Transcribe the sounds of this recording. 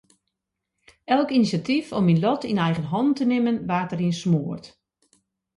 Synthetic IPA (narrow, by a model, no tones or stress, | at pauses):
ɛlˠkinisjatifɔminlɔtinɛjɣənɦɔndtənɪmənʋaːrtərinsmoːərt